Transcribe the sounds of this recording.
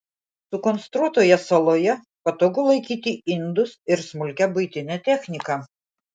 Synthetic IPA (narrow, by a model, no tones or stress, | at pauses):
sʊkɔnst̪ɾuɔt̪oːjɛsɐlˠoːjɛ | pɐt̪oːɡʊlˠɐɪkʲiːt̪ʲiɪnd̪ʊsɪɾsmʊlʲkʲɛbʊɪt̪ʲɪnʲɛt̪ʲɛxʲnʲɪkɐ